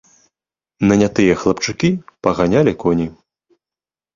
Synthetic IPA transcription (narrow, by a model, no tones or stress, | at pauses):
nɐnʲat̪ɨjɐxlˠɐpt͡ʂɨkʲipɐɣanʲalʲikɔnʲi